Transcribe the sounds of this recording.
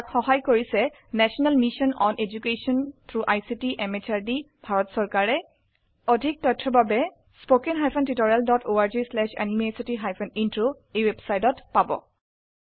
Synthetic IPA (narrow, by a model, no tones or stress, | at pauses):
akxɔɦajkoɹisɛ | nɛsɔnalmiʃɔnɔnʔed͡ʒukesɔnt̪ʰɹuʔajsitiʔɛmet͡ʃaɹdi | bʱaɹɔtsɔɹkaɹɛ | odʱik̚tɔtʰːɔbabɛ | spokenɦajpʰɔntitoɹialdɔtʰoaɹd͡ʒislɛʃa̰nimesitiɦajpʰɔnintɹo | ejwebsajtɔtpabɔ̰